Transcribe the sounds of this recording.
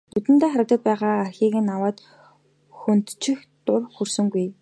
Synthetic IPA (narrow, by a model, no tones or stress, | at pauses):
nɵt̪ɘ̆nt̪eːχaɾə̆k̚t̪ə̆t̪̚pæːʁaːarxʲiːɣĕnawaːt̪ | xunt̪t͡ɕʰɪ̆xt̪ʊrxursɵ̆ŋɡuj